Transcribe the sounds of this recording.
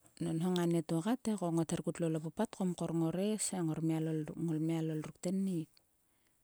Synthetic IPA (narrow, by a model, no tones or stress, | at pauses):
nonɦoŋanetuokatekoŋoteɾkutlolopopatkomkoɾŋoɾesaŋoɾmialoŋolmialolruk̚tenːik̚